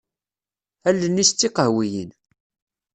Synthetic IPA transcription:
ælːənːist͡s̪ːiqəʕwijḭn

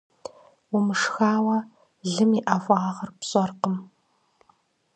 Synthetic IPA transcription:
wʊmɨʂxaːwɐ | ɮɨmiːʔɐvʷːʁɐrpɕʼɔrqəm

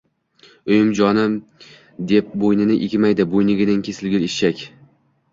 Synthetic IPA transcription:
ʊjɪmd͡ʒɒnɪm | d̪ep̚bojnɪnɪʔekʲɪmajd̪ɪbojnɪɡʲɪnɪnkʲʰesɪlɡʲɪliʃt͡ʃakʲ

